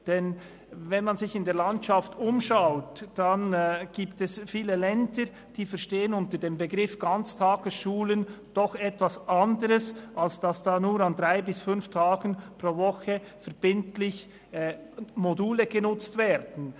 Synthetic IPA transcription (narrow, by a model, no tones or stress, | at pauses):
d̥ɛn | vɛnmanzɪçɪndeːɐlantʃaftʊmʃaʊtːanɡ̥iːptɛsfiːləlɛndə | d̥iːfɛʁʃteːənʊntədeːmbeɡʁɪfɡ̥ant͡stʰaːɡ̥əsʃuːlən | d̥ɔxɛtv̥asʔandəɾəsʔalsd̥asd̥aːnuːɾandʁaɪbɪsfʏnftʰaːɡən̩pʁoːvɔxə | fɛɾb̥ɪntlɪç | moduːləɡ̥ənʊt͡stv̥ɛːɾd̥n̩